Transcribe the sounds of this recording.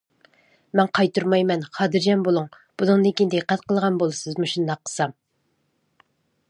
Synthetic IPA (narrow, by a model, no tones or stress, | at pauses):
mɛnqʰɑjt̪ʰuɾmɑjmɛnχɑːd̪ɨɾd͡ʒɛnbolˠuŋ | b̥unɨŋd̪ɨŋkʲʰind̪eqʰːæt̪qʰəlˠʁɑnbolˠɨsɨzmuʃund̪ɑqʰːə̥sɑm